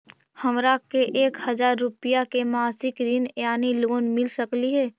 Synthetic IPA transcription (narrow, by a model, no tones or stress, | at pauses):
həmɾakeʔeːkhɐzaːɾːʊpɪjakemaːsɪkɾinjaːniloːnmɪlsəkliɦɛː